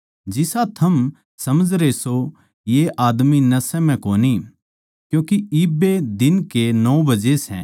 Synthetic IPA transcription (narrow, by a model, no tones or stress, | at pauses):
d͡ʒɪsat̪ʰɐm | sɐməd͡ʒʱɾeso | jeʔaːd̪minɐsɛ̃mɛ̃koːni | kjũːkiiːbed̪ɪnkenɔːbɐd͡ʒesɛ̰̃